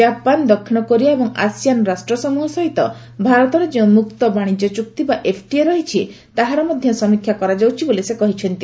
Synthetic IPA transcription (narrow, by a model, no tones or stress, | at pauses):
d͡ʒapand̪ɔkʰːinɔkɔɾiaebɔŋa̰sijanɔɾasʈɾɔsɔmuɦɔsɔɦit̪ɔ | bʱaɾɔt̪ɔɾed͡ʒeũmuk̚t̪ɔbaɽ̃id͡ʒɔt͡ʃuk̚t̪ibaʔepʰʈieɾɔɦit͡ʃʰi | t̪aɦaɾɔmɔd̪ʱjɔsɔmikʰːjakɔɾad͡ʒawt͡ʃʰibolisekɔɦit͡ʃʰɔnt̪i